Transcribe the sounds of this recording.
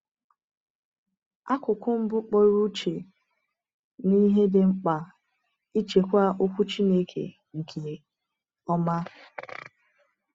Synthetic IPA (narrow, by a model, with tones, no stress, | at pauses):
a˦kʷʊ˨kʷʊ˦m̩˦bʊ˦k͡po˦ɾu˦t͡ʃe˨ | ni˦ɦe˦dɪ˨ŋ͡m̩˦k͡pa˨ | i˦t͡ʃe˨kʷa˦ʔo˦kʷu˦t͡ʃi˦ne˦kʰḛ˨ | ŋ̩˨kʰe˨ | ɔ˦ma˦